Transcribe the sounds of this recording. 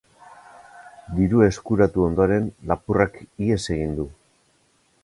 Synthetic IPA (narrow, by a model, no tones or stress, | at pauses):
d̪iɾue̞skuɾat̪uo̞nd̪o̞ɾe̞nlapurakie̞se̞ɣ̞ind̪u